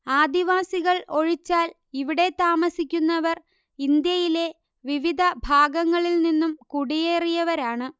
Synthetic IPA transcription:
aːd̪iʋaːsiɣɐɭo̞ɻit͡ɕːaːl | iʋiɽe̞t̪aːmɐsikʲːunːɐʋɐr | ind̪jɐjile̞ | ʋiʋid̪ʱɐbʱaːɡɐŋːɐɭilninːumkuɽije̞ːrijɐʋɐɾaːɳɨ

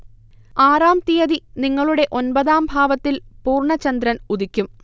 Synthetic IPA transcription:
aːraːmt̪ijɐðiniŋːɐɭuɽe̞ʔo̞nbɐðaːmbʱaːʋɐt̪ːilpuːrɳɐt͡ɕːɐnd̪ɾɐnuðikʲːum

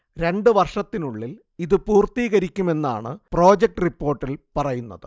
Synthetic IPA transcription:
ɾe̞ɳɖɨʋɐrʂɐt̪ːinuɭːil | iðɨpuːrt̪iːɣɐɾikʲːume̞nːa̰ːɳɨpro̞ːd͡ʑek̚ʈɨripːo̞ːrʈːilpɐrɐjunːɐðɨ

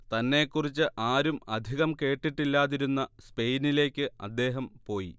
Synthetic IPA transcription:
t̪ɐnːe̞kːurit͡ɕːɨʔaːɾumɐd̪ʱiɣɐmke̞ːʈːiʈːilːaːðiɾunːɐspe̞jnile̞ːkʲːɨɐ̰d̪ːe̞ːɦɐmpo̞ːjḭ

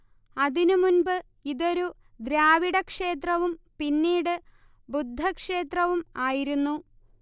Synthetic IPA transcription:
ɐðinumunbɨ | iðo̞ɾu | d̪ɾaːʋiɽɐkʂe̞ːt̪rɐʋumpinːiːɽɨ | bud̪ʱːɐkʂe̞ːt̪rɐʋumaːjiɾunːu

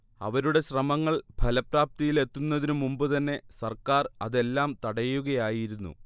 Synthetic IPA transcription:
ɐ̰ʋɐɾuɽe̞ɕrɐmɐŋːɐɭbʱɐlɐpraːp̚t̪ijile̞t̪ːunːɐðinɨmumbɨt̪ɐnːe̞sɐrkaːrɐðe̞lːaːmt̪ɐɽɐjuɣɐjaːjiɾunːṵ

